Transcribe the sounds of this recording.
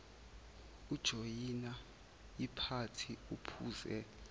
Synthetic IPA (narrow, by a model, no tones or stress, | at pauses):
ud̥ʒ̥ʱojina | jipʰatʰiupʰuːzɛ